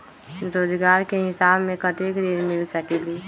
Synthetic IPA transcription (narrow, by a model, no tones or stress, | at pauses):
ɾoːd͡ʒɡaːɾkeɦɪsaːbmẽkəʈekɾeɾmɪlsəkeli